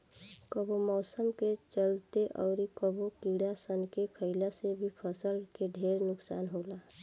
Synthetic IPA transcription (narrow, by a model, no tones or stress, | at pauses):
kəbomɔːsəmket͡ʃəlt̪eʔɔ̰ʊɾikəbokiɽasənkekʰəɪlasebʱipʰəsəlkeɖʱeːɾnʊksa̰ːnɦoːla